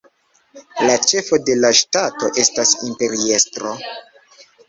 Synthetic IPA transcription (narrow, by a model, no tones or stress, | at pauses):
lat͡ʃe̞fo̞de̞laʃtato̞ʔe̞stasimpe̞ɾie̞stɾo̞